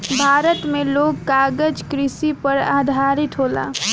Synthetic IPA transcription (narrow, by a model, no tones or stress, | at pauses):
bʱaːɾət̪mẽloːɡkaːɡəd͡ʒkɾɪsipəɾa̰ːd̪ʱaːɾɪt̪ɦoːla̰ː